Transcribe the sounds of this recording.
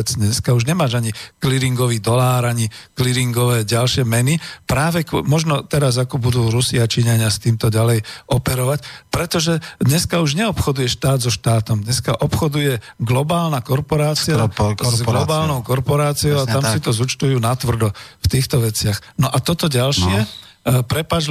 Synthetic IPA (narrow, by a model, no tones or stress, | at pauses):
ɛd͡zd̪ɲɛskauʒɲɛmaːʒaɲikliɾiŋɡɔʋiːd̪ɔlaːɾaɲikliɾiŋɡɔʋɛːɟalʃɪɛmɛnipɾaːʋɛkmɔʒnɔt̪ɛɾazakɔbud̪uːɾusiat͡ʃiɲaɲɪast̪iːmt̪ɔɟalɛjʔɔpɛɾɔʋacpɾɛt̪ɔʒɛd̪ɲɛskauʒɲɛɔpxɔd̪ujɛʃt̪aːd̪zɔʃt̪aːt̪ɔmd̪ɲɛskaʔɔpxɔd̪ujɛɡlɔbaːlnakɔɾpɔɾaːt͡siazɡlɔbaːlnɔʊkɔɾpɔɾaːt͡siɔʊat̪amsit̪ɔzut͡ʃt̪ujuːnat̪ʋr̩d̪ɔft̪iːxt̪ɔʋɛt͡sɪaxnɔʔat̪ɔt̪ɔɟalʃɪɛ | pɾɛpad͡ʒ